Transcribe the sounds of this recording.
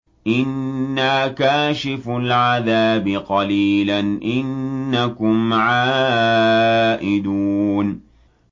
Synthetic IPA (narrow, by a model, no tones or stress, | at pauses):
ʔɪnːaːkaːʃɪfʊlʕaðaːbɪqɑliːlanʔɪnːakʊmʕaː | ʔɪd̪uːn